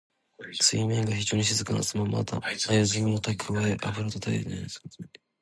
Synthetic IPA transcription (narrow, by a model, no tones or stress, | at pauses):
sɨimẽŋɡaçiʑo̞ːɲ̟iɕizɨkana̰sɨmama̰t̪a̰ajaziɯmot̪akʰɯβaeʔapɯ̟ɾot̪ot̪ʰaid̪na̰jd̪es